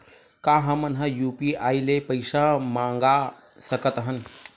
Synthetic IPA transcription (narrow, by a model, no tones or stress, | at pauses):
kaɦəmənɦãjupiailepəɪsamãŋɡa | səkət̪ɦən